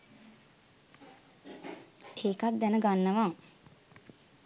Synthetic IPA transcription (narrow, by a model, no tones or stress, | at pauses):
eːkat̪̚d̪ɛnəɡanːəʋaː